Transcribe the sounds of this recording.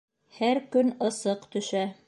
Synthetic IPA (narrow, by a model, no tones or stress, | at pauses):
hæɾkɵnɤ̆sɤqt̪ɵ̆ʃæ